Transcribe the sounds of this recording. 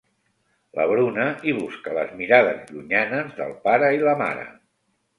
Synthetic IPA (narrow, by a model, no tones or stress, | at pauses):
lə̰βɾunəiβ̞uskələ̰zmiɾaðəzʎuɲanəzðə̰lˠpaɾəiləma̰ɾə̰